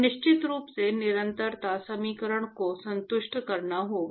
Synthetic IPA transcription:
nɪʃt͡ʃɪt̪ɾuːpsenɪɾə̃nt̪əɾt̪asɐmiːkəɾəɽ̃kosɐ̃nt̪ʊʃʈkɐɾnaɦoː

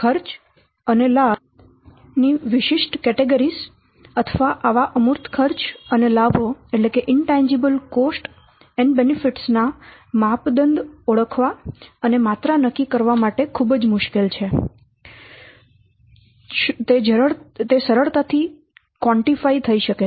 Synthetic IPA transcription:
kʰəɾt͡ʃ | ənela | niʋɪʃɪʃʈkɛʈeɡəɾis | ət̪ʰəʋaʔaʋaʔəmʊɾt̪ʰkʰəɾt͡ʃənelabʱoeʈlekeʔɪɳʈãɲd͡ʒibəlkosʈ | ɛɳɖbenifiʈsnamapd̪ənd̪oɭəkʰʋaənemat̪ɾanəkːikəɾʋamaʈekʰubd͡ʒmʊʃkelt͡ʃʰe | t̪ed͡ʒəɾət̪esəɾəɭt̪at̪ʰi | kʋɔ̃ɳʈifait̪ʰəiʃəke

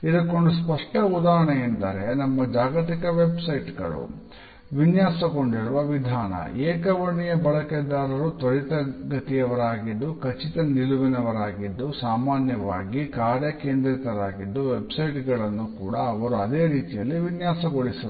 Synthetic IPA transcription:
id̪ɐkːoɳɖuspɐʂʈɐud̪aːɦɐɳɐind̪ɐɾenɐmːɐd͡ʒaːɡɐt̪ikɐʋebsɐjʈɡɐ̰ɭṵ | ʋinjaːsɐko̞ɳɖiɾuʋɐʋid̪ʱaːnɐ̰ɛːkɐʋɐɳijɐbɐɭɐkɛd̪ːaːɾɐɾut̪oɾit̪ɐɡɐt̪ijɐʋɐɾaːɡid̪ːukɐt͡ʃit̪ɐniluʋinɐʋɐɾaːɡid̪ːusaːmaːnjɐʋa̰ːɡikaːɾjɐkeːnd̪ɾɐt̪ɐɾaːɡid̪ːuʋebsɐjʈɡɐɭɐnːukuːɽɐːʋɐɾuɐd̪e̞ːɾiːt̪ijɐlːiʋinjaːsɐɡoɽisɐ

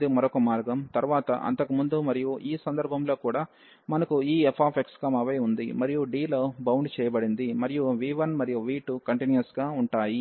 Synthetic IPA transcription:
d̪imɐɾokɐmaːɾɡɐmt̪ɐɾuʋaːt̪ɐ̰ʔɐ̰nt̪ɐkumund̪umɐɾijuʔiːsɐnd̪ɐɾbʱɐmlo̞ːkuːɽaː | mɐnɐkuiːepʰaːpʰekskɐmɐʋɐjund̪imɐɾijuɖiːloːbɐwɳɖt͡ʃɛːjɐbɐɽind̪imɐɾijuʋiːʋɐnmɐɾijuʋiːʈukɐɳʈinjɐsɡaːuɳʈaːji

